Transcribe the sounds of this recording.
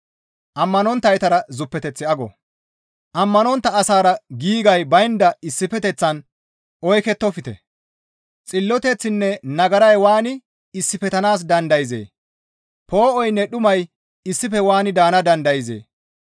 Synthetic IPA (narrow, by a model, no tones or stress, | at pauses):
ʔɐmːɐnɔnt̪ːɐjt̪ɐɾɐzʊpːɛt̪ɛt͡sːɪɐɡɔ̰ | ʔɐmːɐnɔnt̪ːɐːsaːɾɐɡiːɡɐjbɐjɪnd̪ɐɪsːɪfɛt̪ɛt͡sːɐn | ʔɔjkɛt̪ːɔfɪt̪ɛ̰ | t͡sʼɪlːɔt̪ɛt͡sːɪnːɛnɐɡɐɾɐjwaːnɪ | ɪsːɪfɛt̪ɐnaːs̬d̪ɐnd̪ɐjɪzḛː | pʰo̞ːʔɔjnːɛɗʊmɐj | ɪsːɪfɛwaːnɪd̪aːnɐd̪ɐnd̪ɐjɪzḛː